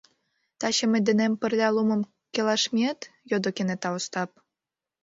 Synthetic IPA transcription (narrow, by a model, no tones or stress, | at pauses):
t̪ɑɕɤ̆mɘ̆d̪ɘ̆nempɘ̆rlʲɑlˠumɤ̆m | kʲelɑʃmʲet̪jod̪okenet̪ɑust̪ɑp̚